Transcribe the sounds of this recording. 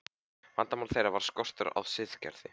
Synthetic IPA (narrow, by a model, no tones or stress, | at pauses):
vant̪amawlθejɾavaɾ̥skɔr̥t̪ʏɾa̰wsɪðcɛ̰ɾðɪ